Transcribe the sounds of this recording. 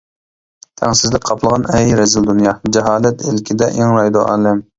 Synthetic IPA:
t̪ʰɛŋsɪzlɪk̚ʲqʰɑpʰlˠəʁɑnɛjɾɛzɪld̪unjɑd͡ʒɛɦɑːlɛt̪ʰɪlkʲʰid̪ɛʔeŋɾɑjd̪oʔɑ̰ːlɪm

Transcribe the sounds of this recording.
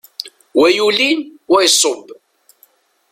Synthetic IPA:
wæjulinwæjsˤːob

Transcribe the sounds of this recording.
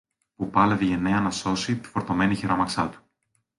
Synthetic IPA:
pupɐleviʝe̞ne̞ɐnɐso̞sit̪i̥foɾt̪o̞me̞niçeɾomɐksɐt̪u̥

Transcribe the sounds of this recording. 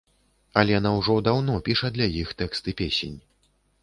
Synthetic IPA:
ɐlʲɛjanawʐɔd̪awnɔpʲiʂɐd̪lʲɐajixt̪ɛkst̪ɨpʲesʲenʲ

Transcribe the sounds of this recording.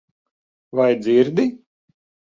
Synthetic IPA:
vajd̪ziɾd̪i

